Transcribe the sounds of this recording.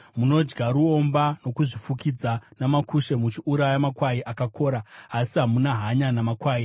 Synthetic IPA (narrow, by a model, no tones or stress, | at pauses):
muno̞d͡ʒɡaɾuombano̞kuʐifukid͡zanamakuʃe̞mut͡ʃiʔuɾajamakwaiʔakako̞ːɾaːsiɦamunaɦaɲanamakwaːi